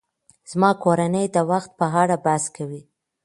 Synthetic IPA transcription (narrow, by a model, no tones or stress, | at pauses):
z̥mɑkoɾanəjd̪əwaxt̪̚pəɦɑɽabaskawi